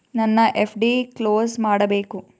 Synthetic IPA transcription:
nɐnːɐʔepʰɖikloːsmaːɽɐbeːku

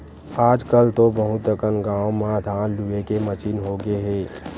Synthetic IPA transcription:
aːd͡ʒkəlt̪obɐɦʊt̪əkənɡãːomãd̪ʱãːluekemət͡ʃiːnɦoɡeɦɛ̃ː

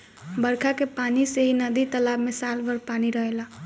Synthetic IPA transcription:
bəɾkʰakepaniseɦinəd̪it̪əlabmesalbəɾpaniɾəɦela

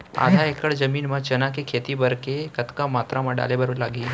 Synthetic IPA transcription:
a̰d̪ʱaekəɽzəmiːnmãt͡ʃənakekʰet̪ibəɾkekət̪kamaːt̪ɾamãɖa̰lebəɾəlaɡiː

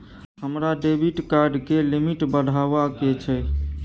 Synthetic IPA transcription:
ɦəmɾaɖebiʈkaɾɖkelimiʈbəd̪ʱaʋaket͡ʃʰɛ

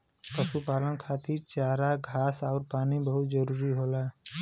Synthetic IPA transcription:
pəsupaːlənkʰaːt̪iɾt͡ʃaːɾaɡʱaːsaːɾpaːnibəɦʊt̪zəɾuːɾiɦoːlaː

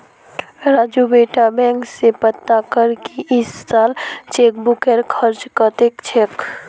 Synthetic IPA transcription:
ɾad͡ʒubeʈabɛ̃ŋksepət̪ːakəɾkiʔɪsːalt͡ʃek̚bukeɾkʰəɾt͡ʃkət̪ekt͡ʃʰek

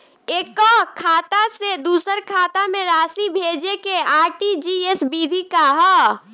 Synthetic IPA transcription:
ekɔkʰat̪ased̪usəɾkʰat̪ameɾasibʱed͡ʒekeaɾʈid͡ʒiesbid̪ʱikaɦɔ

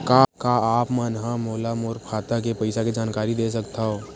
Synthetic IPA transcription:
kakaaːpmanɦamoːlamoːɾpʰaːt̪ak̬epɐɪsaked͡ʒaːnkaːɾid̪es̬əkt̪ʰaɦoː

